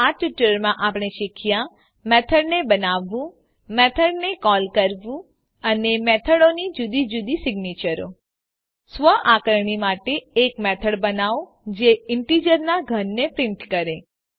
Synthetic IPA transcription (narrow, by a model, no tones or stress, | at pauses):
aʈuʈɾəɾmãʔapɳ̃eʃɪkʰjã | mɛt̪ʰəɽnebənaʋːũ | mɛt̪ʰəɽnekɔlkəɾʋũ | ənemɛt̪ʰəɽonid͡ʒud̪id͡ʒud̪isɪɡnet͡ʃəɾo̰ | sʋəʔakəɾɳ̃imaʈeːkmɛt̪ʰəɽbənaʋ | d͡ʒeɪɳʈid͡ʒəɾnaɡʱənːepɾɪ̃ɳʈkəɾe